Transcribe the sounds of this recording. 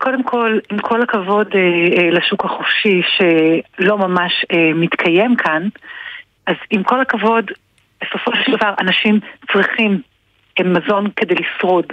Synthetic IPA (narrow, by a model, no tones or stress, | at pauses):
kʰo̞demkʰo̞limkʰo̞lakavo̞deleʃukaχofʃiʃe̞lo̞mamaʃemit̪kʰaje̞mkʰan | ʔazimko̞lakavo̞d | b̥eso̞fo̞ʃeeld̪avaʁanaʃimt͡sʁiχim | emːazo̞nke̞de̞jlisʁod